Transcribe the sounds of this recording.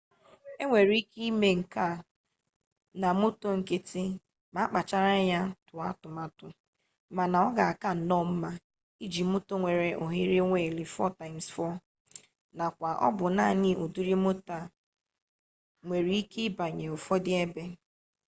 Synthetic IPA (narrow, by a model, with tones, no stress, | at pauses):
e˦ŋʷe˨ɾi˨˦i˦ki˦me˦ŋ̩˨ka˦˨ | na˨mo˦to˦ŋ̩˨ke˦tɪ˦ | ma˨˦k͡pa˨t͡ʃa˦ɾa˦ja˦tʊ˨a˦tʊ˨ma˦tʊ˨ | ma˨na˨ɔ˦ɡa˨a˨ka˦˨nɔ˦˨m̩˦ma˦ | i˦d͡ʒi˨mo˦to˦ŋʷe˨ɾe˨ʔo˨ɦi˦ɾe˦ŋʷe˦˨li˨fɔ̰˦˨ta˨ɪ˨m̩sfɔ˦˨ | na˨kʷa˨ʔɔ̰˦bʊ˨na˦˨ɲɪ˦ʔo˨du˦ɾi˦mo˦ta˦˨ | ŋʷe˨ɾi˨i˦ke˦ba˨ɲe˨o˨fɔ˦dɪ˦e˦be˦